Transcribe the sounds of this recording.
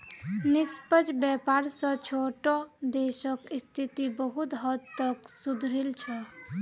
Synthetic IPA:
nispəd͡ʒbɛpaɾsə̃t͡ʃʰoʈɔd̪esəkist̪ʰit̪ibəɦut̪ɦəd̪t̪əksud̪ʱɾilt͡ʃʰɛ

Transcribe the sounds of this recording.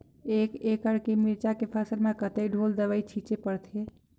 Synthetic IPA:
ekekəɽkemiɾt͡ʃakepʰasəɾmekət̪əjɖʱold̪əβəjt͡ʃʰit͡ʃepəɾt̪ʰe

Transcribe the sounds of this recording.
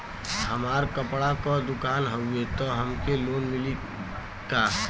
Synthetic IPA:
həmaɾkəpɽakɔd̪ukaːnɦəet̪ɔɦəmkelonmili | ka

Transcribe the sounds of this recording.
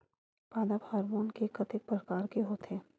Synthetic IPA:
paːd̪abaːɾmoːnkekət̪ɪk̚pɾəkaːɾkeɦoːt̪ɦeː

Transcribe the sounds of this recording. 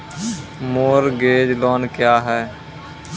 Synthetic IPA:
moːɾɡeːd͡ʒloːnkjaːɦɛː

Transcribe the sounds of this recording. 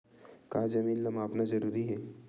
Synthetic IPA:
kaːd͡ʒɐmiːnlɐmaːpnazɐɾuːɾiɦɛː

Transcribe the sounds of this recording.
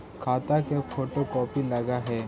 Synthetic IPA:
kʰaːt̪akefʰoːʈokɔːpilɐɡaɦɛː

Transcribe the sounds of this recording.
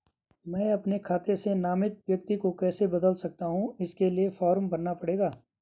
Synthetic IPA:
mɛ̃ːɐpnekʰaːt̪esenaːmɪt̪̚ʋjɐk̚t̪ikokɛːsebɐd̪əlsɐk̚t̪aɦũɪskeliefɔːɾəmbɐɾnapɐɽeːɡaː

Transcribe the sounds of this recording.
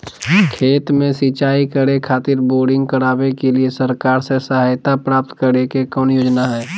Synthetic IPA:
kʰeːt̪mẽsit͡ʃaːikəɾekʰaːt̪ɪɾboːɾɖɪ̃ŋɡ̚kəɾaːbekeliesəɾkaːɾsesəɦaːjt̪apɾaːp̚t̪kəɾekekɔːnjoːd͡ʒnaɦɛː

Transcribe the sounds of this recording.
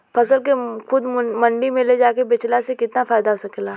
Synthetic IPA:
pʰɐsəlkexʊd̪mɐ̃ɳɖimẽled͡ʒaːkebɪt͡ʃlasekɪt̪nafaːɪd̪aɦosɐkelaː

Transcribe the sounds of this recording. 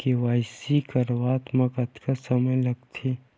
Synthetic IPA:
keʋaːjsikɐɾʋaːt̪mɐkɐt̪kasɐməjlɐɡt̪ʰe

